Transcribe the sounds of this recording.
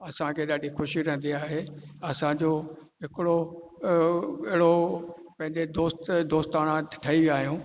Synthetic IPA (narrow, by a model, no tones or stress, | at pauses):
ɐsãkʰeɗaːɗixʊʃiɾɛ̃ɦən̆d̪iaːɦeɐsãd͡ʑoː | ɦɪkɪɽo | ɪɦɪɽo | pɐ̃ɦɪ̃ɲd͡ʑed̪oːst̪d̪oːst̪aːɽ̃ãʈʰɐiʋiaːɦijũː